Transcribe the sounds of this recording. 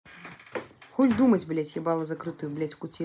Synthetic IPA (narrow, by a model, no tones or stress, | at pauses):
xɔlʲd̪umɐt͡sʲblʲɛt͡sʲjɛbalˠɐzakɾɨt̪ujublʲɛt͡sʲkut͡sʲi